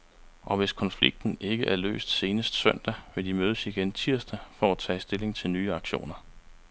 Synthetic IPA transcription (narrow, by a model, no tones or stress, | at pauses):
ʔɒ̽ʋe̝skʰɒ̽nflḭɡ̥̚d̥n̩e̝ɡ̥əʔæɐlø̰ːsd̥se̝ːnəsd̥sœn̰d̥æʋe̝ld̥imøːð̞ˠəsiɡ̥ent͡sʰiɐ̰sd̥æfɒæt͡sʰɛ̰ːsd̥e̝le̝ŋt͡sʰe̝lnyːɑ̈ɡ̥ɕo̝̰ːnɐ